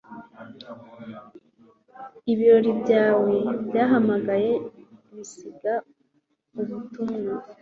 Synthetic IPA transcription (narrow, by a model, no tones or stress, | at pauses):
iβiɾo̞ɾibɟaːwe̞bjaːɦamaɡaje̞βisiɡa | uβutumŋa